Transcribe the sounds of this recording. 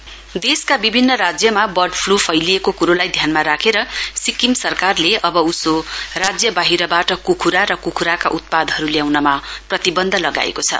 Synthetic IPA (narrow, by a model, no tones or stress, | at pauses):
d̪eskabibʱinːʌɾad͡zjʌmabʌrɖpʰlupʰʌjliekokuɾolajd̪ʱjanmaɾakʰeɾʌsikimsʌrkarleʌbʌusorad͡zjʌbaɦiɾʌbaʈʌkukʰuɾaɾʌkukʰuɾakaʔut̪̚pad̪ʱɦʌɾuljawnʌmaprʌt̪ibʌnd̪ʱʌlʌɡa̰ḛkot͡sʰʌ̰